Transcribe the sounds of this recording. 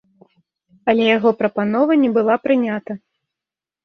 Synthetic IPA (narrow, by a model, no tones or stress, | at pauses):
ɐlʲɛjaɣɔpɾɐpanɔvɐnʲɛbɨlˠapɾɨnʲat̪ɐ